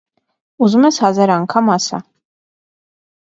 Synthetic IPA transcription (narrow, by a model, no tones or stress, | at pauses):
uzmɛsazɛɾaŋkʰamasa̰